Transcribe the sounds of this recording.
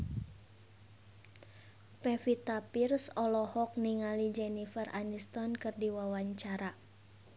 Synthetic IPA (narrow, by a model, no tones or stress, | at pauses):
pɛfit̪apirsɔlɔhɔk̚niŋalid͡ʒɛnifərʔanist̪ɔnkɨrdiwawaɲt͡ʃaɾa